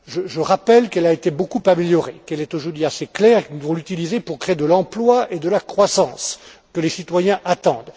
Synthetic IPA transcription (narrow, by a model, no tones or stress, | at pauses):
ʒəʒəʁapɛlkɛlaet̪ebokupameljɔʁḛkɛlɛt̪oʒuʁd̪ɥiaseklɛːʁekinuvɔ̃lyt̪ilizepuʁkχed̪əlɑ̃plwaed̪əlakχwasɑ̃skəlesit̪wajɛ̃ʔat̪ɑ̃d̪